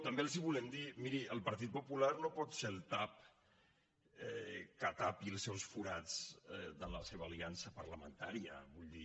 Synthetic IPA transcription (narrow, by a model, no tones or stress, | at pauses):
t̪əmbelˠziβulɛmd̪imiɾiʔəlˠpəɾt̪̬it̪̚pupularnopɔt̪selˠt̪ap | ɛkat̪apiəlˠsːɛwsfuɾad͡zd̪ələseβəːliansəpəɾləmə̰nt̪aɾiə̰βuʎd̪i